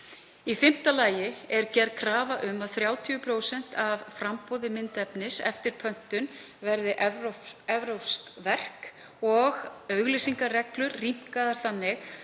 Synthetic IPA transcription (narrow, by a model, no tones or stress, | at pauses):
ifɪm̥t̪alaːjɪɛɾcɛrðkʰɾaːvaʔʏmaðθɾjaːwt̪ʰiʏpʰɾoːwsɛn̥t̪avfɾampoːwðɪmɪnt̪ɛpnɪsɛ̰ft̪ɪɾ̥pʰœn̥t̪ʏn | vɛɾðɪʔɛɛvɾowskvɛr̥k | ɔɣœɥɣlisiŋkarɛklʏɾːim̥kaðaɾ̥θanːɪx